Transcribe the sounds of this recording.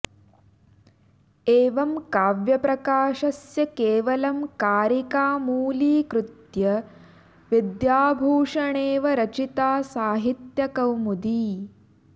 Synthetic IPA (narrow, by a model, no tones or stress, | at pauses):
eːʋɐmkaːʋjɐpɾɐkaːʃɐsjɐkeːʋɐlɐmkaːɾikaːmuːliːkɾut̪jɐ | ʋid̪jaːbʱuːʂɐɳeːʋɐɾɐt͡ʃit̪aːsaːɦit̪jɐkɐwmud̪iː